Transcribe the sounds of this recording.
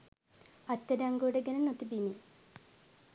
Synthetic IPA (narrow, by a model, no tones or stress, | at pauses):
ɐt̪ʲːɐɾɐŋɡouɽeɡenɐnot̪ːibini